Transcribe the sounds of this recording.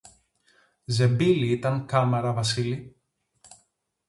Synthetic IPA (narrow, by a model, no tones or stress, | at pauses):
ze̞biliit̪ɐŋkɐmeɾɐvɐsili